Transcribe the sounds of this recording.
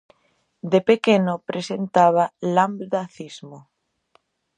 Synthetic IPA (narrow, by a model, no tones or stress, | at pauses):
d̪epekenopɾesent̪aβ̞alambd̪aθizmo